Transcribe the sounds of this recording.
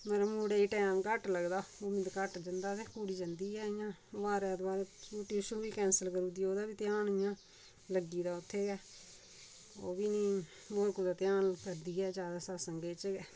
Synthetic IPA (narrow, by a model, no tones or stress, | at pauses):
məɾmuːɽeːiːʈɛːmkəʈləɡd̪aːʊmɪd̪kəʈd͡ʒənd̪aːt̪eːkuːɽiːd͡ʒənd̪iːɛːɪjãːʋaːɾɛːd̪baːɾt͡ʃuːʈiːʃõːʋiːkɛ̃ːnsəlkəɾuːd̪iːoːd̪aːbiːt̪ɪjaːnɪjãː | ləɡiːd̪aːʊt̪ʰːeːɡɛː | o̰ːbiːnĩː | moːɾkuːd̪aːt̪ɪjaːnkəɾd̪iːɛːd͡ʒjaːd̪aːsasəŋɡeːt͡ʃɡɛː